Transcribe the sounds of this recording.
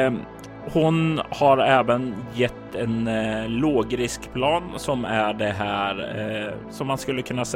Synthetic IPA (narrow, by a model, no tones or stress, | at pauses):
hʊnhaɾɛːvənjɛt̪ːɛnloːɡɾɪskpʰlɑːnsɔmæɖɛɦæːɾ | sɔmːanskɵlːəkʰɵnːas